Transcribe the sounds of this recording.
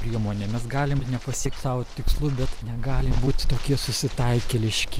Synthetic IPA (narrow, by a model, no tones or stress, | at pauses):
pʲɾʲiɛmoːnʲeːmʲɛsɡɑːlʲɪmnʲɛpɐsʲiɛk̚t̪ʲsɑːʋot̪ʲɪkslˠuːbʲɛt̪nʲɛɡɑːlʲɪmbuːt̪ʲt̪oːkʲiɛsʊsʲɪt̪ɐɪkʲelʲɪʃʲkʲɪ